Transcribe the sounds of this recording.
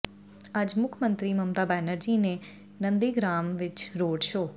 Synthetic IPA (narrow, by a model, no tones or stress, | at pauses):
ad͡ʒmʊkʰmənt̪ɾiməmt̪abɛnəɾd͡ʒine | nənd̪iɡɾamʋɪt͡ʃɾoːɽʃo